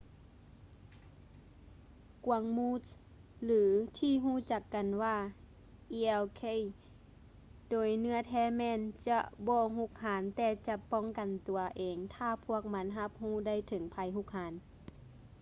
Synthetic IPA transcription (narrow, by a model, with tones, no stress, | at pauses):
ku˨˩˦əŋmuː˧˥t | lɯː˨˦t̪ʰiː˧˨ɦuː˧˥˨t͡ɕa˧˩kːa˨nwaː˧ | ʔi˧ɛ˧wkʰe˧˥˨j | doː˨˩˦jnɯ˧˥˧ɐt̪ʰɛː˧˥˨mɛː˧˨nt͡ɕa˧ʔbɔː˧˦ɦu˧˥k̚haː˨˦nt̪ɛː˧t͡ɕa˧pɔ˧˥˨ŋka˨nt̪u˨˩ɐʔeː˨ŋt̪ʰaː˧pʰu˧˥˩ək̚ma˧˥nɦa˧p̚huː˧˥˩da˥˨jt̪ʰɤ˨˦ŋpʰa˧˦jɦu˧˨k̚haː˨˦n